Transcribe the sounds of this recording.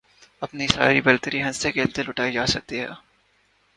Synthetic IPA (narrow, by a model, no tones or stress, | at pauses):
ɐpnisa̰ːɾlibelt̪əɾiɦɐ̃nsekeːlt̪elʊʈaːid͡ʒaːsɐk̚t̪iɦɛ̰ː